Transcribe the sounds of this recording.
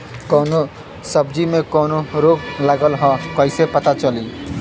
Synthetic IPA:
kɔːno | səbd͡ʒimekɔnoɾoɡləɡəlɦɔ̃kəɪsepət̪at͡ʃəli

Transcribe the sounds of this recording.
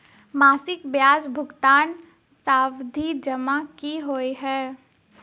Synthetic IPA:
maːsɪkbjaːzbʱʊɡt̪aːn | saːwd̪ʱid͡ʒɐmakiɦoːiɦɛː

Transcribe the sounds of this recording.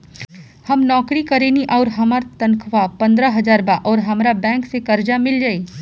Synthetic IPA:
hɐmnɔːkɾikɐɾeːniʔɔːɾɦɐməɾt̪ɐ̃nkʰʋapɐ̃nd̪ɾəɦɐzaːɾbaʔɔːɾɦɐmɾabɛ̃ːŋksekɐɾd͡ʒamɪld͡ʒaːi

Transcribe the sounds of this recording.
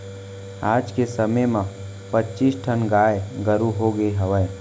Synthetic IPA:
aːd͡ʒkesəməjmã | pətːt͡ʃiːsʈʰənɡaːeɡəɾuɦoɡəeɦəʋə

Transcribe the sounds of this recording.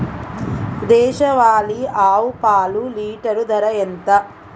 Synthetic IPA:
d̪ɛːʃɐʋaːliaːwupaːluliːʈɐɾud̪ʱɐɾɐjent̪ɐ

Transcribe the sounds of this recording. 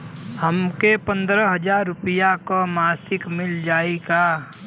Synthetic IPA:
həmkepə̃nd̪ɾəɦəd͡ʒaːɾːʊpɪjakomaːsɪkmɪld͡ʒaːiɡaː

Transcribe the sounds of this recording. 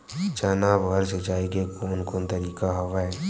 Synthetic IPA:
t͡ʃaːnaːbɣəɾsed͡ʒaːeɡekoːnkoːnt̪ɐɾiːkaɦɐʋaːe

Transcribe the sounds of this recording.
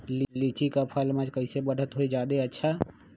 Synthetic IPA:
llit͡ʃikapʰəlməd͡ʒkəɪsebəɽ̤ət̪ɦoid͡ʒaːd̪eətːʃʰa

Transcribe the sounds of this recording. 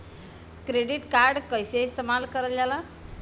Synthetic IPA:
kɾeɖiʈkaɾɖkəjseist̪emalkəɾəljala

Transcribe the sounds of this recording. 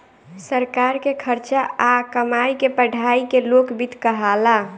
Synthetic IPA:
səɾkaɾkekʰəɾt͡ʃaakəmaikepəɖʱaikelokbʱit̪kəɦala

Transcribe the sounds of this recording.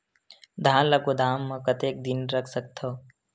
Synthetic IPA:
d̪ʱaːlɐkod̪ʱaːmːɐ̃kɐt̪eːk̚d̪inɾɐkʰsək̚t̪ʰoː

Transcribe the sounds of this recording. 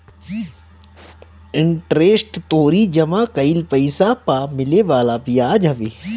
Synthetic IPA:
ɪɳʈɾeːsʈt̪oːɾid͡ʒɐmãkɐilpɐɪsapamɪleʋaːlapijaːd͡ʒɦɐʋeː

